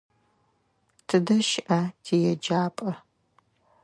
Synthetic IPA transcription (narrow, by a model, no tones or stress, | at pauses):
tʰɨdɐʃʔɐtʰiːjɛd͡ʒaːpʼɐ